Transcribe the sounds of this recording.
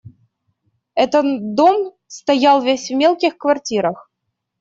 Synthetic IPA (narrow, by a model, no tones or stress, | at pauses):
ɛt̪ət̪d̪om | st̪ɐjalˠvʲesʲvmʲelˠkʲɪxkvɐrtʲiɾəx